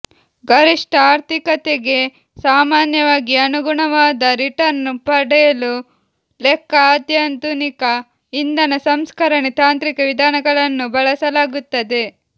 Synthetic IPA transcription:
ɡɐɾiʂʈɐaːɾt̪ʰikɐt̪eɡe̞ | saːmaːnjɐʋaːɡiɐnuɡuɳɐʋaːd̪ɐɾiʈɐɾnupɐɽɛjɐlu | lɛkːɐaːd̪jɐnd̪unikɐ | ind̪ɐnɐsɐmskɐɾɐnit̪aːnt̪ɾikɐʋid̪ʱaːnɐɡɐɭɐnːubɐɭɐsɐlaːɡut̪ːɐd̪e̞

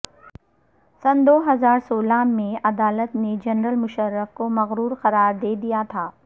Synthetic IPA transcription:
sɐnd̪oːɦɐzaːɾsoːlaːmẽɐd̪aːlət̪ned͡ʒɐnɾəlmʊʃəɾːəfkomɐɣɾuːɾxɐɾaːɾd̪eːd̪ijat̪ʰaː

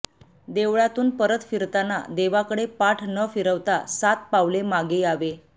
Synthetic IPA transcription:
d̪eʋɭat̪uːnpəɾət̪fiɾt̪ana̰d̪eʋakəɽepaʈʰnəfiɾəʋt̪asat̪̚paʋlemaɡeaʋe

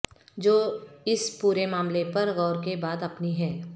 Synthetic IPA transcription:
d͡ʒoːɪspuːɾemaːmlepɐɾɣɔːɾkebaːd̪ɐpniɦɛː

